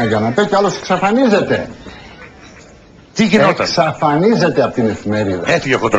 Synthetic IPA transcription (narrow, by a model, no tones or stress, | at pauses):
ɐʝɐnɐt̪ɐceɐloseksɐfɐnize̞t̪e̞ | t̪iʝinot̪ɐsɐfɐnize̞t̪e̞ɐpot̪ine̞fime̞ɾiðɐet̪ieɣot̪